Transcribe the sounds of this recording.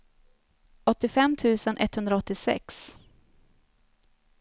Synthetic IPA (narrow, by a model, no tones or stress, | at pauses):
ɔt̪ːɪfɛmt̪ʰʉ̟ːsənʔɛ̰t̪hɵnd̪ɾaɔt̪ːɪsɛ̰ks